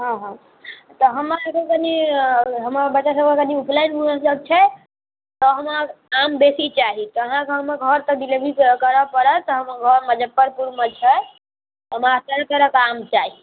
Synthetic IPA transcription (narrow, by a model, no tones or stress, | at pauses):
ɦɔ̃ɦɔ̃ | t̪ɔɦəmaekəkəniɦəmabət͡ʃːasəbekəniupʰlajnɦunələb̚t͡ʃʰɛ | t̪ɔɦəmakambesit͡ʃaɦit̪ɔəɦãkeɦəmeɡʱəɾt̪ɔd̪ilebʱikəɾəpəɾət̪ɔɦəmɡʱəɾməd͡ʒəd̪̚pəɾpuɾmət͡ʃʰɛ | ɦəmat̪əɾət̪əɾəkamt͡ʃaɦi